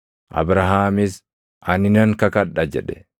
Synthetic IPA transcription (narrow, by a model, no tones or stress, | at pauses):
ʔɐ̰bɾɐɦaːmɪs | ʔɐnɪnɐŋkɐkɐᶑːɐd͡ʒɛᶑɛ̥